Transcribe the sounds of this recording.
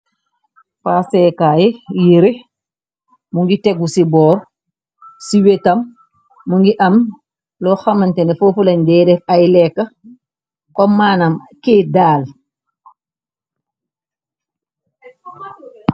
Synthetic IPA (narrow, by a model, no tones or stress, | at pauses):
fasɛkaːjejiɾi | muŋɡiteɡusibɔːɾ | siwetɐmː | uŋɡiʔɐm | lɔxamantenefofulɐɲdɛːdɛfajlɛkːɐ | kɔmːaːnamkedaːl